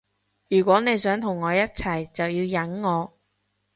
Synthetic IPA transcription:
jyː˨˩kʷwɔː˨˥ne˨˧jsœː˨˥ŋt̪ʰʊ˨˩ŋːɔː˨˧jɐ˥t̚t͡sʰɐ˨˩jt͡sɐ˨wjiː˧wjɐ˨˥nːɔː˨˧

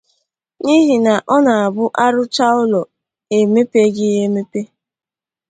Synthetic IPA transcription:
ɲi˦ɦi˨na˨ʔɔ˦na˨a˨bʊ˦ʔa˦ɾʊ˦t͡ʃa˦ʊ˦lɔ˨ | e˨me˦pe˦ɡɪ˦e˦me˦pe˦

